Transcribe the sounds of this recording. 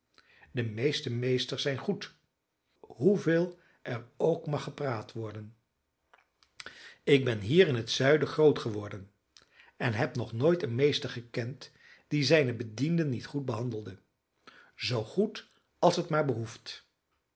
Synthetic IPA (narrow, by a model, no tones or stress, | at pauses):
dəmejstəmejstəɹsɛjnχut | ɦuvɪːlˠ | ʔɛɹowkmɑχːəpraːtʋɔɹdən | ɪɡ̚bɛnɦiːɾɪnɦətsœɥdəχrowtχəʋɔɹdən | ɛnɦɛpnɔχnoːjtənmejstəɹχəkɛnt | d̥izɛjnəbədindənːitχud̚bəɦɑndəlˠdə | zowχut | ɑlˠsətmaːɹbəɦuft